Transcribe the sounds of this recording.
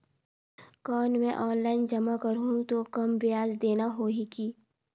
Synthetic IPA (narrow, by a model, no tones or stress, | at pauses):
kɔːnmɛ̃ʔɔːnlaːɪnd͡ʒɐmakɐɾɦũt̪okɐmbɪjaːzd̪eːnaɦoːɦikiː